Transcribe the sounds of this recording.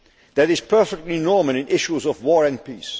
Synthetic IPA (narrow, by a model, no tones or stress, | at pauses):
ðæɾɪz̥pʰɜ˞fɪk̚tˡlinɔɹməlɪ̃nɪʃuzɔvwɔːɹɨ̃npis